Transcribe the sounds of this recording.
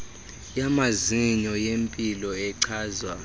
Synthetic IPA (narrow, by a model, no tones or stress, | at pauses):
jamaziɲɔjempʼilɔɛǀʰaːzwa